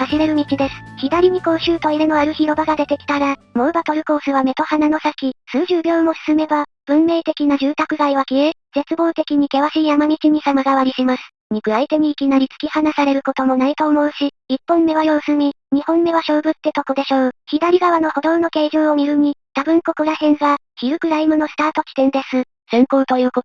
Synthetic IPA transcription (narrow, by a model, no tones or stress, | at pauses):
haɕiɾe̞ɾɯ̟mʲit͡ɕid̪e̞sɨ̥çid̪aɾʲiɲ̟iko̞ːɕɨːt̪o̞iɾeno̞aɾɯ̟çiɾo̞baɡad̪e̞t̪e̞kʲi̥t̪aɾamo̞ɯ̟bat̪o̞ɾɯ̟ko̞ːsɨβame̞t̪o̞hanano̞sakʲisɨːʑɨːbʲo̞ːmo̞sɨ̥sɨme̞bab̥ɯ̟̃mːe̞ːt̪e̞kʲinaʑɨːt̪akɯ̟ɡaiβakʲiez̥e̞t͡sɨbo̞ːt̪e̞kʲiɲ̟ike̞βaɕiːjamamʲit͡ɕiɲ̟isamaɡaβaɾʲiɕimasɨ̥ | ɲ̟ikɯ̟ait̪e̞ɲ̟iːkʲinaɾʲit͡sɨ̥kʲihanasaɾe̞ɾɯ̟ko̞t̪o̞mo̞nait̪o̞ːmo̞ɯ̟ɕi | ipːõ̞mːe̞βajo̞ːsɨmʲi | ɲ̟ihõ̞mːe̞βaɕo̞ːbɯ̟t̪ːe̞t̪o̞kod̪e̞ɕo̞ːçid̪aɾʲiɡaβ̞ano̞ho̞d̪õ̞nno̞ke̞ːʑoːomʲiɾɯ̟m̟ʲit̪abɯ̟̃ŋko̞koɾahẽ̞ŋɡaçiɾɯ̟kɯ̟ɾaimɯ̟no̞sɨ̥t̪aːt̪o̞kʲi̥t̪ẽ̞nd̪e̞sɨ | sẽ̞ŋko̞ːt̪o̞jɯ̟ːko